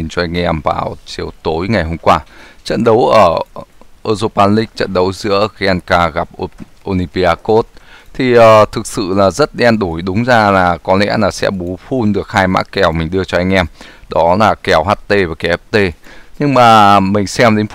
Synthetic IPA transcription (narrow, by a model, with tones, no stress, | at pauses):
i˨˩nt͡ɕɔ˧ʔa˧jŋ̟ʔɛ˧mva̰ː˨˩wt͡ɕi˨˦ə˦wt̪o˨˦jŋa˨˩jɦo˧mkwaː˧t͡ɕə̰˧˨nɗə˨˦wʔəː˧˩ʔəː˧zo˧paː˧nlï˦˥k̟̚t͡ɕə̰˧˨nɗə˨˦wzɨ̰˧˥əɣa˧nkaː˧ɣa˨˩p̚ | ʔo˧ni˧pi˧ʔaː˧ko˦˥t̚t̪ʰi˨˩ʔəː˨˩t̪ʰɨ˨˩k̚sɨ̰˧˨laː˨˩zə˦˥t̚ɗɛ˧nɗo˧˩jɗʊ˨˦ŋ͡mzaː˧laː˨˩kɔ˨˦lɛ̰˧˥laː˨˩sɛ̰˧˥ɓu˨˦fu˧nɗɨ˨˩ək̚haː˧jma̰ː˧˥kkɛ˨˩wmï˨˩ŋ̟ɗɨ˧ət͡ɕɔ˧ʔa˧jŋ̟ʔɛ˧mɗɔ˨˦laː˨˩kɛ˧˩wɦaː˦˥t̚t̪e˧vaː˨˩kɛ˨˩ɛ˦˥p̚t̪e˧˩ɲɨ˧ŋmaː˨˩mï˨˩ŋ̟sɛ˧mɗe˨˦n